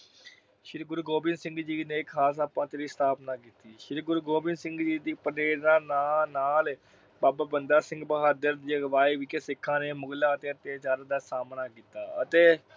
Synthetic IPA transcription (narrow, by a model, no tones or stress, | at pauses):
ʃɪɾɡʊɾɡoːbɪnsɪ̃ŋɡd͡ʒiːneːkʰaːs̬aːpãːt̪eːɾiːst̪ʰaːpnaːkiːt̪iːʃɪɾɡʊɾɡoːbɪnsɪŋɡd͡ʒiːd̪iːpəneːɾnãːnaːnaːl | baːbaːbənd̪aːsɪ̃ŋɡbəɦaːd̪əɾd̪iːɡəʋaːiːʋikeːsɪkʰːãːneːmʊɡlaːət̪eːət̪eːt͡ʃaːɾəd̪aːsaːmnaːkiːt̪ːa̰ːət̪eː